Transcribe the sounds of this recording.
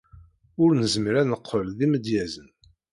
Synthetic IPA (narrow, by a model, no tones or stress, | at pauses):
ʊɾnəzməɾænəqʰːəlðiməd̪jæzən